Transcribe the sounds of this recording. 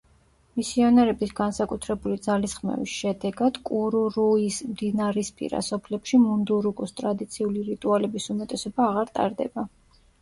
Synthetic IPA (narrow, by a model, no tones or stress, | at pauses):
misiɔnɛɾɛbisɡansakʼut̪ʰɾɛbulid̪zalisχmɛ̰vḭsʃɛd̪ɛɡad̪̥kʼuɾuɾuismd̪inaɾɛspʼḭɾa̰sɔpʰlɛpʃimund̪uɾukʼust̪ʼɾad̪it̪sʰiuliɾit̪ʼualɛbisumɛt̪ʼɛsɔbaːʁaɾt̪ʼa̰ɾd̪ɛ̰ba